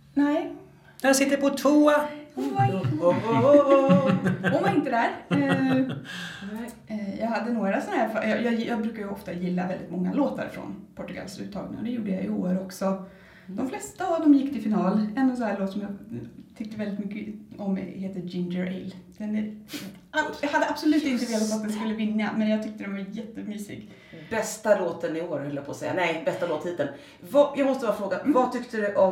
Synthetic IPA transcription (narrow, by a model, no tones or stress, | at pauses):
næɪ | nɛɾɑsɪt̪ːəɾpɔt̪ʰuːa | ɔmaɪnt̪əd̪æɾ | jɑːɡhad̪ːənoːɾasɔnhæɾfajɑjɑjɑːɡbɾʉ̟ːkaɾjɵɔft̪ajɪlːavɛld̪ɪ̰t̪mɔŋːa̰loːt̪ʰa̰ɾfɾɔ̰npʰɔʈːɵɡa̰lsʉ̰ːt̪ʰːɑ̰ːɡnɪ̰ŋɔd̪ɛjuːɖəjajoːɾɔksɔ | d̪̥ɔmflɛst̪aːvd̪ɔmjɪkːt̪ʰɪlfɪnɑːlɛnːɔsɔnhæːɭoːt̪ːsɔmjɑːt̪ʰʏk̚t̪əvɛld̪ɪt̪mʏkːəɔmheːt̪əd͡ʒɪnd͡ʒəɾɪ̰lːd̪̥ɛnæɾ | ʔajɑhad̪ːəab̥sɔlʉ̟ːt̪əɪnt̪əveːlat̪at̪̚d̪ɛnskɵlːəvɪnːamɛnjɑɡ̚t̪ʏk̚t̪əd̪ɛnvaɾjɛt̪ːəmyːsɪ̰ɡ | bɛst̪aloːt̪ənɪoːɾhœlːəɾpʰoːsɛjːa̰nɛɪbɛst̪aloːt̪ʰhiːd̪ən | vɑjɑːɡmɔst̪əbɑːɾafɾoːɡanvat̪ʰʏkt̪əd̪ɵʔɔm